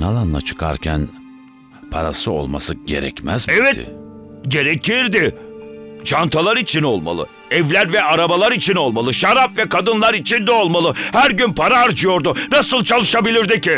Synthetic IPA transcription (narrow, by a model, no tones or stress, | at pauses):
nalˠanlˠa̰t͡ʃʰɯ̥kʰa̰ɾcʰæn | pʰa̰ɾa̰sɯo̰lˠma̰sɯɟe̞̰ɾɛ̰cmæzɛvɛɪ̰ | ɟe̞ɾecʰiɾd̪ɪ | t͡ʃʰant̪ʰalˠaɾit͡ʃʰino̞lˠma̰lˠɯ̰ | ɛvlʲæɾvɛaɾabalˠaɾit͡ʃʰino̞lˠmalˠɯʃaɾapvɛkʰad̪ɯnlˠaɾit͡ʃʰind̪ɛo̞lˠmalˠɯhæɾɟynpʰaɾaːɾd͡ʒɯjo̞ɾd̪ʊnasɯlˠt͡ʃʰalˠɯʃabilʲiɾd̪icɪ